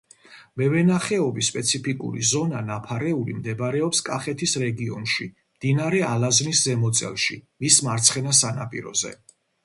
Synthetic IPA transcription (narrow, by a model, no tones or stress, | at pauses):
mɛvɛnaχɛɔbispʼɛt̪sʰipʰikʼṵɾḭzɔnanapʰaɾɛulḭmd̪ɛbaɾɛɔpskʼaχɛt̪ʰisɾɛɡiɔnʃi | d̪̥inaɾɛalazniszɛmɔt̪sʼɛ̰lˠʃḭmismaɾt̪sʰχɛnasana̰pʼḭɾɔ̰zɛ̰